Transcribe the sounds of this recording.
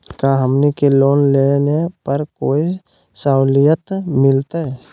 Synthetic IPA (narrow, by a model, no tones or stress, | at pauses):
kaɦəmnikeloːnlenepəɾkoːi | saʊlijət̪mɪlt̪aɦɛ